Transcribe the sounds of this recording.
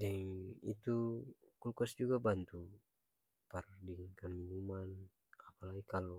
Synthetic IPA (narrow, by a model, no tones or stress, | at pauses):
dɛŋḭt̪ukulkɔsd͡ʒuɡabant̪u | pardiŋkəminuman | apalaɡikalo